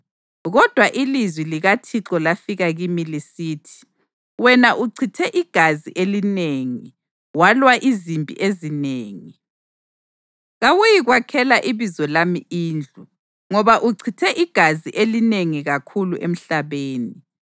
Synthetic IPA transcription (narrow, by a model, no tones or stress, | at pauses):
ɣɔd̥ʱwaʔilizwiliɣatʰiǁɔlafiɣaɣimilisiːtʰi̥ | wɛnaʔuǀʰitʰɛʔiɡ̥ʱaziʔelineːŋi | walwaʔizimbʱʼḭʔezineːŋi | ɣawujiɣwakʰɛlaʔiβizɔlamiiːnd͡ɮʱu | ŋɔβaʔuǀʰitʰɛʔiɡ̥ʱaziʔelineŋiɣakʰuluʔḛm̩ɬaβeːni